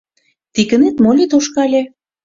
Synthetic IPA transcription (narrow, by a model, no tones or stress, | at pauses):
t̪ikə̆net̪molʲit̪oʃkɑlʲĕ